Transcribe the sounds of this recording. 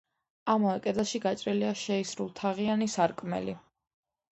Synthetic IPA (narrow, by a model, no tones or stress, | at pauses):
amaɛkʼɛd̪aʃiɡat͡ʃʼɾiliaʃɛisɾulˠt̪ʰaʁianisaɾkʼmɛ̰li